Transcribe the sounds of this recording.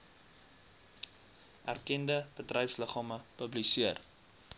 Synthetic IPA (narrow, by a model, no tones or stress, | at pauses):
ʔærkɛndəb̥ətrœjfsləχɑːməpəblisiər